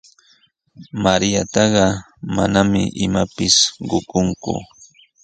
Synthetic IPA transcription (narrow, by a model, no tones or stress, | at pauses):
maɾjat̪ɑɢɑ | manamɪ̰ʔɪmapɪsɢʊkʊŋkʊ̰